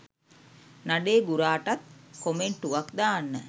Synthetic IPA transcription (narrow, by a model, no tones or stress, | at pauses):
naɖeːɡuɾaːʈat̪̚komeɳʈuʋakd̪aːnːə